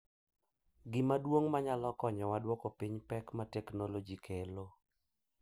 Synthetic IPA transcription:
ɡɪmadwoŋmaɲalɔkɔɲɔwadwɔkɔpiɲpɛkmatɛknolod͡ʒikʰelo

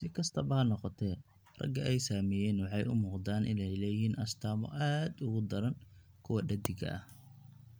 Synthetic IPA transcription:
sɪkʰɐst̪ʰɐbɐnɔqɔt̪ʰɛ | rɐ̰ɡɐʔɛjsaːmɛːjɛːnwɑħɑjʊmuːqd̪aːnʔɪ̰nɛjlɛːjɪɦiːnʔɐst̪ʰaːmɔ̰ʔaːd̪ʊɣʊd̪ɐɾɐn | kʰʊwɐɖɐd̪ɪɡɐ̰ʔɐ̰h

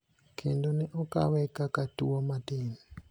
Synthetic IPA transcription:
kʰendonɛʔɔka̰wɛkakatuɔmatini

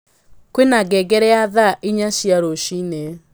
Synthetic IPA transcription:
kwenaɡɛɡɛɾɛaðaʔiɲaʃiaɾoʃine

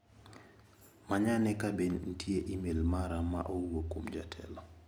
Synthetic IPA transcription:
maɲanɛkabenn̩tʰjeʔimelmaɾama̰ʔouwokomd͡ʒa̰tʰɛ̰lɔ

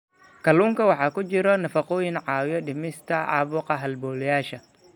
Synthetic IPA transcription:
kʰɐluːŋkɐwɑħɑːkʊt͡ʃɪɾɔnɐfɑqɔːjinʕɑːwjɔɗɪmɪst̪ʰɐʔɑ̰ːβuːqɑɦɐlbɔːljaːʃɐ

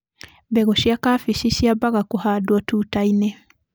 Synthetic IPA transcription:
bɛɣoʃjakafiʃiʃjabaɣakuhadwɔtuːtaine

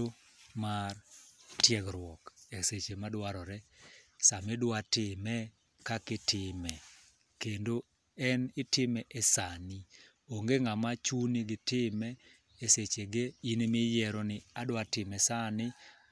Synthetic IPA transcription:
o | martjɛɡɾwɔkeset͡ʃemadwaɾɔɾɛsamedwatɪmɛ | kakɪtɪmɛ | kendo | ɛnɪtɪmɛʔɛsani | oŋɡeŋamat͡ʃuniɡɪtɪmɛː | set͡ʃeɡeinmɪjɛɾɔnɪadwatɪmɛsanɪ

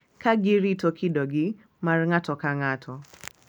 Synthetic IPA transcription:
kaɡiɾitɔkʰiɗɔɡi | maɾŋatɔkaŋatʰɔ

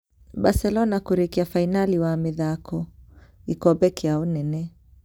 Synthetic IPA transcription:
ɓasɛlɔnakuɾikiafainaliwaːmiðakɔikɔbɛkiaɔnɛnɛ

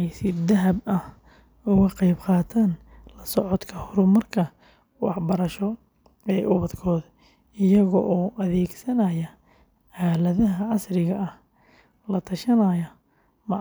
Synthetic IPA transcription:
ɛjsɪd̪ɐɦɐbɐh | ʊɣɐqɑjbqɑːt̪ʰaːn | lɐsɔʕɔd̪kʰɐhʊɾʊmɐrkʰɐ | wɑħbɐɾɐʃɔ | ɛːʔʊβɐd̪kʰɔːd̪ | ɪjɐɣɔʔɔːʔɐðɛːɡsɐnɐjɐ | ʕaːlɐðɐɦɐʕɑsrɪɣɐɐh | lɐt̪ʰɐʃɐnɐjɐ | mɑʕ

